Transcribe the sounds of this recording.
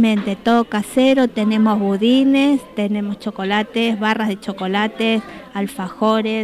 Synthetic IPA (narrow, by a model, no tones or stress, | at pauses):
mẽnt̪et̪oðokaseɾot̪ene̞mo̞zβuðinest̪enẽ̞most͡ʃo̞kolat̪ezβarazðet͡ʃo̞ko̞lat̪esalfaxoɾe